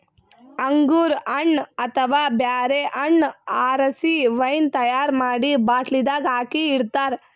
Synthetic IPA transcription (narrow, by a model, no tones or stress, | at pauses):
ɐŋɡuːɾɐɳːɐt̪ʰɐʋaːbjaːɾeʔɐɳːaːɾɐsiʋɐjnt̪ɐjaːɾmaːɽibaːʈlid̪aːɡaːkiːɽt̪aːɾ